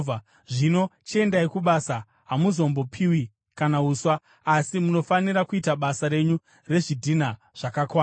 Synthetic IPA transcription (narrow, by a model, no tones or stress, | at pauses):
a | ʐino̞t͡ʃie̞ndaikuɓasa | ɦamuzo̞mbo̞pʰiwi | kanauːswaː | simuno̞faniɾakuitaɓasaɾe̞ɲu | re̞ʐidʱina | ʐ̥akakwaː